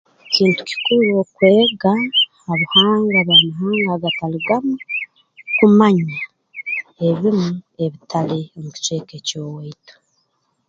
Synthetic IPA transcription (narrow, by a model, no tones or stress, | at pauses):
ciːntu̥ci̥kuɾokwe̞ːɡaː | βuhaːŋɡaβamaɦaːŋɡaɡataliɡamu | kumaɲa | e̞βimue̞βitʰaleomuci̥t͡ʃe̞ːkecoːweito̥